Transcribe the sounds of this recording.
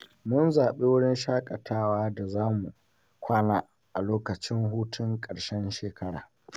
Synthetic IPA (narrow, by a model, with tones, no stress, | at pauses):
mʊ˦nzaː˨ɓe˦wʊ˦ɽɪ˦nʃaː˦kʼɐ˨tʰaː˦waː˦da˨zaː˦mu˨ | kʷʰaː˦naː˦ | ʔa˨loː˦kɐ˨t͡ʃɪ˦ŋɦuː˦tʰʊ˦ŋkʼɐ˨ɽʃɛ˦nʃeː˨kʰɐ˦ɽa̰ː˨